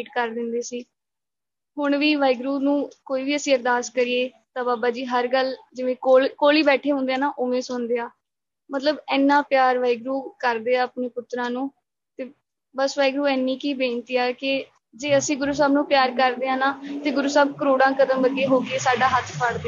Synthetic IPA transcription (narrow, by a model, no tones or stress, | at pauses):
iːʈkəɾd̪ɪnd̪eːsiː | ɦʊɳʋiːʋaːɪɡɾuːnũːkoːiːʋiːəsĩːəɾd̪aːskəɾiːeː | t̪ãːbaːbaːd͡ʒiːɦəɾɡəld͡ʒɪʋẽːkoːlkoːliːbɛːʈʰeːɦʊ̃nd̪eaːnaːʔoːmẽːsʊnd̪eːaː | mət̪ləbɛːnːãːpjaːɾʋaːɪɡɾuːkəɾd̪eːaːəpneːpʊt̪ɾãːnũː | t̪eː | bəsʋaːɪiɡɾuːɛːnːiːkiːbẽːnt̪iːaːkɪ | d͡ʒeːəsĩːɡʊɾuːs̬aːbnũːpjaːɾkəɾd̪eːãːnaːt̪eːɡʊɾuːsaːb̚kəɾoːɽãːkəd̪əmbəɡeːɦoːɡeːsaːɖaːɦət̪ʰpʰəɽd̪e